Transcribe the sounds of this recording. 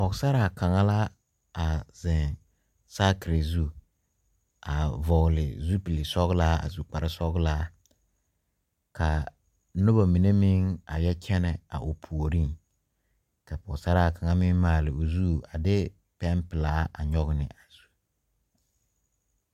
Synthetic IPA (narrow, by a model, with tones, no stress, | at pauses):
pɔ˨ɡsa˦ɾa˨ka˨ŋa˦la˦ | a˨zɪ̃˨ŋ | saː˦kɪ˨ɾe˨zu˦ | a˨vɔ˨ɣlɪ˨zu˦pi˨lɪ˨sɔ˦ɣla˦a̰˨zu˨k͡pa˨ɾɪ˦sɔ˦ɡla˦ | kʰa˨ | nʊ˦ba˨mi˨ne˦mɪ˦ŋa˨jɛ˦t͡ʃɛ˦nɛ˨a̰˨ʔo˨pʰu˨o˨ɾi˦ŋ | ka˨pɔ˨ɡsa˦ɾa˦˨ka˨ŋa˦mɪ˦ŋmaː˨lɪ˨o˨zuː˦˨a˨dɪ˦ | pɛ˦mpɪ˨laː˦a̰˨ɲɔ˦ɣnɪ̰˨ʔa˨z̥u˦